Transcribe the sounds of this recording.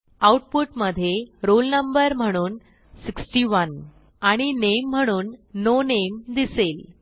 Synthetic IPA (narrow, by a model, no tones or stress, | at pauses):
awʈpuʈməd̪ʱjeɾolnəmbəɾm̤əɽ̃uːn | siksʈiʋən | aɽ̃inem̤ːəɽ̃uːnːonemd̪isel